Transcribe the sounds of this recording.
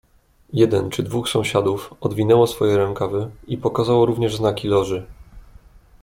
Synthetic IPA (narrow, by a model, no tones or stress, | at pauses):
jɛd̪ɛnt͡ʂɘd̪vuxsɔ̃w̃ɕad̪ufɔd̪vʲinɛwɔsfɔjɛɾɛŋkavɘipɔkazawɔɾuvɲɛʐznakʲilɔʐɘ